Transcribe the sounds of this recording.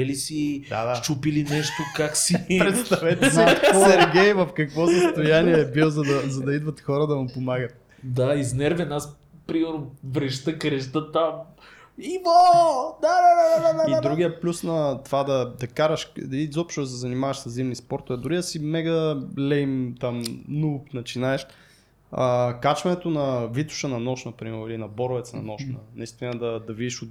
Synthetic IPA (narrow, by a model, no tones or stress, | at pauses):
ɛlisid̪a̰d̪at͡ʃupilinɛʃt̪okaksipɾɛt̪st̪avɛt̪sinɛɾɡɛjvɐfkɐkvɔsɐst̪ojaniɛːbilˠzɐd̪ɐzɐd̪ɐid̪vɐt̪xɔɾəd̪ɐmʊpomaɡət̪̚ | d̪aiznɛɾvɛnas | pɾimɛɾnovɾɛʃt̪əkɾɛʃt̪ət̪am | ivod̪ad̪ad̪aad̪ad̪aiad̪ɾuɡʲijəplʲusnɐt̪vad̪ɐd̪ɐkaɾɐʃizɔpʃt̪od̪ɐs̬ɛzɐnimavɐʃsɐszimnispɔɾt̪ovɛd̪ʊɾid̪ɐsimɛɡɐlɛimt̪amnupnɐt͡ʃinaɛʃ | əkat͡ʃvɐnɛt̪onɐvit̪ʊ̥ʃənɐnɔʃnɐpɾimɛɾilinɐbɔɾvɛt̪snɐ̰nɔʃnɐ̰nɐist̪vʲinəd̪ɐd̪ɐvid̪iʃʊ